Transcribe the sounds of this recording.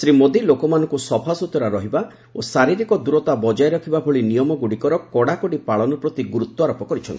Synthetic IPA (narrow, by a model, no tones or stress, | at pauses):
sɾimod̪ilokɔmanɔ̃ŋkusɔpʰasut̪ɔɾaɾɔɦiba | osaɾiɾikɔd̪uɾɔt̪abɔd͡ʒajɾɔkʰibabʱoɭinijɔmɔɡuɽikɔɾɔkɔɽakɔɽipaɭɔnɔpɾɔt̪iɡuɾut̪ːɔaɾɔpɔkɔɾit͡ʃʰɔnt̪i